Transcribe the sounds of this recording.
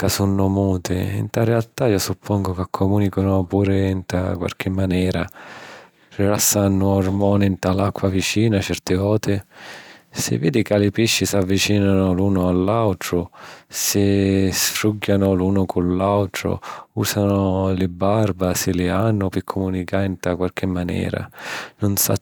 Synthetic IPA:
kasunːʊmuːt̪ɪḭnt̪arɛalt̪aiːosupʰːɔŋɡʊkakʰːomuːnikonʊpuːɾɪnt̪a̰kwa̰lk̟ʰɪmːanɛːɾa | rilasːanːʊɔrmɔːnɪnt̪alakʰːwavit͡ʃiːnat͡ʃɛrt̪ɪvɔːt̪ɪ | sɪ̰vːḭːd̪ɪkalɪpiʃːɪsavːit͡ʃiːnanʊluːnʊalːawt̪ɾʊsɪsfɾuɡːanʊluːnʊkʰʊnlawt̪ɾʊ̰uːsanʊlɪbarbasɪlɪanːʊpɪkʰːʊmunikaɪnt̪akwalk̟ɪmːanɛ̰ːɾa̰nʊnsa̰

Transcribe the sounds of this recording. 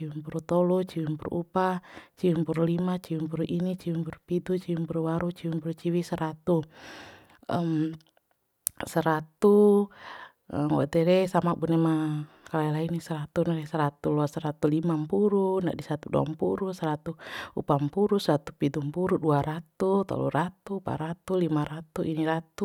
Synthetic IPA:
iwimpuɾut̪ɔlut͡ʃiwimpuɾṵʔupat͡ʃiwimpuɾulimat͡ʃiwimpuɾuʔinit͡ʃiwimpuɾupidut͡ʃiwimpuɾuwaɾut͡ʃiwimpuɾut͡ʃiwisəɾat̪u | əm | səɾat̪u | ŋwɔ̰t̪ɛɾɛsamabunɛma | kalailainisəɾat̪unaɾɛsəɾat̪ulɔasəɾat̪ulimampuɾuna̰ʔdisat̪udua̰mpuɾusəɾat̪uupampuɾusat̪upidumpuɾuduaɾat̪ut̪a̰lṵɾat̪upa̰ɾat̪ulimaɾat̪uʔiniɾat̪u

